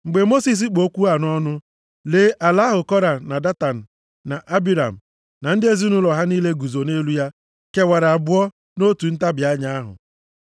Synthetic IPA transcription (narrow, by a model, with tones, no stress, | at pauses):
ŋ͡m̩˨ɡ͡be˨mo˦si˨s̬i˦k͡po˦kʷu˦a˨n˦ɔ˦nʊ˦ | leː˨˦ʔa˨la˦ɦʊ˨kɔ˦ɾa˨na˨da˦ta˨n̩˨ | na˨ʔa˦bi˨ɾa̰˨m̩˨ | na˨n̩˦dɪ˦e˦zi˦nʊ˦lɔ˨ɦa˦niː˦le˦ɡu˨zo˨ne˦lu˦ja˦ | ke˨wa˨ɾa˨a˨bʊ˦ɔ˦ | no˦tu˨n̩˦ta˦bja˦ɲa˦a˦ɦʊ̰˨